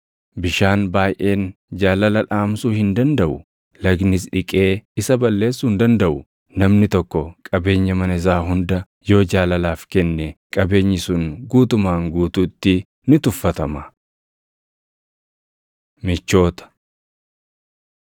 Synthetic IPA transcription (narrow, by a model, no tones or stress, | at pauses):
bɪʃaːnbaːjʔe̞ːn | d͡ʒaːlɐlɐᶑaːmsuːhɪnd̪ɐnd̪ɐʔʊ | lɐɡnɪsᶑɪkʼe̞ːɪsɐbɐlːe̞ːsːuːnd̪ɐnd̪ɐʔʊ | nɐmnɪt̪ɔkːɔkʼɐbe̞ːɲːɐmɐnɪs̬aːɦʊnd̪ɐ | jo̞ːd͡ʒaːlɐlaːfkɛnːɛkʼɐbe̞ːɲːɪsʊŋɡuːt̪ʊmaːŋɡuːt̪uːt̪ːɪ | nɪt̪ʊfːɐt̪ɐmɐ | mɪt͡ʃːo̞ːt̪ɐ̥